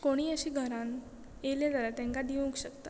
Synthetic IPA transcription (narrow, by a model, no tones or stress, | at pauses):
koɽ̃iːəɕiːɡʱəɾãn | eljed͡z̪aɾat̪ẽŋkad̪iʋũŋkɕəkt̪a